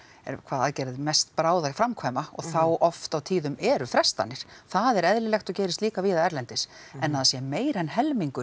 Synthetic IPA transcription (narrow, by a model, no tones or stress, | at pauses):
ɛ̰ɾkʰvaːðaðcɛːɾɪðmɛst̪pɾaːwðafɾamkʰvɛːmaɔ̰ɣθawɔft̪awt̪ʰiːðʏmɛɾʏfɾɛst̪a̰nːɪɾ̥θaðɛɾɛðlɪlɛxt̪ɔcɛːjɾɪst̪liːkaviːðaɛɾlɛnt̪ɪsɛnːaðasjɛmeːjɾɛnɦɛlmiŋkʏ